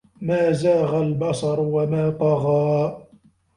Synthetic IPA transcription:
maːzaːɣalbɑsˤɑɾˤwamaːt̪ˤɑɣaː

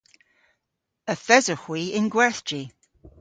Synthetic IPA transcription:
əfɛzəxwiɪ̃nɡwɛɹθd̥i

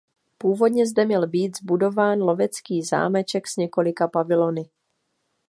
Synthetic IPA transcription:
puːvo̞dɲɛzdɛmɲɛlbiːt̪zbudo̞vaːnlo̞vɛt͡skiːza̰ːmɛt͡ʃɛksɲɛko̞lɪkapavɪlo̞nɪ

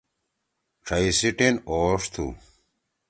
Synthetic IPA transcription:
ʈ͡ʂʰɐisiʈenoːʂt̪ʰṵ

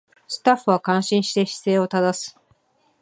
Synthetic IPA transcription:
sɨ̥t̪aɸɯ̟βakãɰ̃ɕĩɕi̥t̪e̞ɕi̥se̞ːo̞t̪ad̪asɨ̥

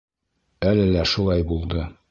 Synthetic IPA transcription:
ælɘlæʃulˠɑjbulˠd̪ɤ

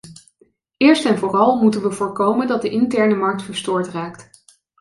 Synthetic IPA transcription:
ɪːɹstɛnvʊːrɑlˠmutənʋəvʊːɹkowməndɑt̚dəʔɪntɛɹnəmɑɹk̚tfəɹstʊːɹtraːkt

